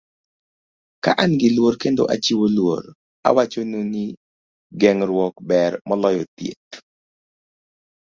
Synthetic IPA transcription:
kaʔanɡɪlwoɾkendo̰ʔat͡ʃiwolwo̰ɾ | a̰wat͡ʃononi | ɡɛŋɾwɔkbɛɾmɔlɔjɔt̪jḛt̪

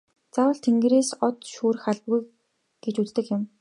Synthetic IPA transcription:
t͡sawə̆ɬt̪ʰeŋɡreːsɔt̪ʃuːrxaɮpɣuj | ɡ̥et͡ɕut͡st̪ɘ̆kjɪ̆m

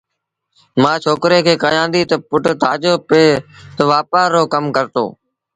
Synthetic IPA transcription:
mãːt͡ʃʰoːkɾeːkʰeːkaːjãːnd̪iːt̪əpʊʈt̪ʰaːd͡ʒoːpeːt̪əʋaːpaːɾoːkəmkəɾt̪o̰ː

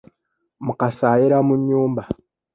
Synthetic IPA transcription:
mukasaːjiɾamuɲːuːmba

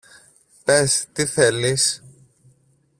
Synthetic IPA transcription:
pest̪iθe̞lis

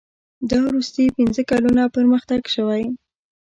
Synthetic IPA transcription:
d̪əwɾust̪əjpinzəkalunapəɾməxt̪aɡʃəwaj

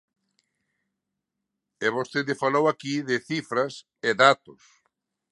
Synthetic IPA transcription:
ɛβost̪eðɪfalowakiðɪθifɾɐs | eðat̪ʊs

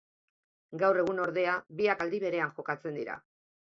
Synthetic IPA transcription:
ɡawre̞ɣ̞uno̞ɾðe̞aβiakald̪iβe̞ɾe̞aŋʝo̞kat͡se̞nd̪iɾa̰

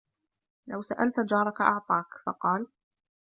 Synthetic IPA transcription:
lawsaʔalt̪d͡ʒɑːɾˤɑkaʔɑʕt̪ˤɑːkfɑ̰qɑːl

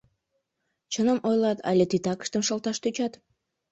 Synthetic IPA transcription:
t͡ɕənəmojlɑt̪ʰɑ̰lʲet̪it̪ɑkə̥ʃt̪əmʃə̆lt̪ɑʃt̪yt͡ɕɑt̪

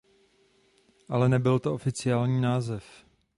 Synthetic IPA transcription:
ʔalɛnɛbɪlt̪oʔofɪt͡sɪaːlɲiːnaːzɛf

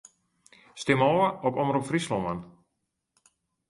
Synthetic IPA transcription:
stɪmoːəɔkɔmrupfrislɔmən

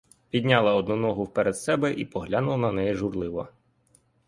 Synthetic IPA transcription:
pʲid̪ʲnʲɑlˠɐɔd̪nɔnɔɦʊwpɛɾed̪sɛbɛʔipɔɦlʲanʊlˠɐnɐnɛjɛʒʊrlˠɪʋɔ

